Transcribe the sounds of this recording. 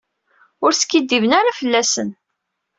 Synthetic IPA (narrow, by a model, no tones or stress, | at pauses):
ʊɾsə̥kːid̪ːivənaɾafəlːæsən